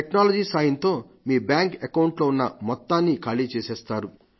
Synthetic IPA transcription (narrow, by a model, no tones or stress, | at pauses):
ʈeknaːlɐd͡ʒiːsaːjɐnt̪o̞ː | miːbjaːŋkekɐwɳʈlo̞ːunːɐmɔt̪ːaːnːikɐɭit͡ʃeːsɛːst̪aːɾu